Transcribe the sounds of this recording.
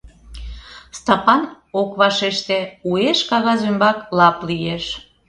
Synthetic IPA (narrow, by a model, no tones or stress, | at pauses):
st̪ɑpɑn | okβɑʃeʃt̪eueʃkɑɣɑzymbɑklɑplieʃ